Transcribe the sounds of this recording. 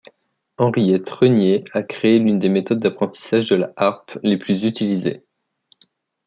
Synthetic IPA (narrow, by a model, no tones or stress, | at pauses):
ɑ̃ʁijɛt̪χənjeakχeːlynd̪emet̪ɔd̪̚ːapχɑ̃t̪i̥saʒd̪əla̰ʔaʁpleplyzyt̪ilizḛ